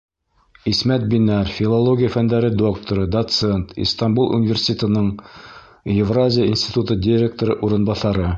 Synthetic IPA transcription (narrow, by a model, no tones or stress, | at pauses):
ismæt̪̚binæɾfʲilˠolˠoɡʲɪjəfænd̪æɾɘd̪o̞kt̪oɾɤd̪ɐt̪se̞nt̪ḭst̪ambulˠʔṵnʲɪvʲersʲɪ̥t̪ʲet̪ə̆nɤɴ | jɪvrazʲɪjəinsʲt̪ʲit̪ut̪ɤdʲɪɾʲek̚t̪oɾɤʔuɾɤ̆nbɑθɑɾɤ